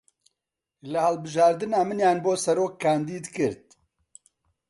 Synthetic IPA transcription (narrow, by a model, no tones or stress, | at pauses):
lɨhɛlbɨʒɑːɾd̪ɨnaːmɨnjaːnboːsɛɾoːkʰːaːnd̪iːd̪kɨɾt̪̚